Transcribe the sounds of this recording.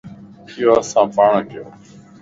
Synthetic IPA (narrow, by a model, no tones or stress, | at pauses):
ɪjoːəsãːpaːɳɡʱɪjoː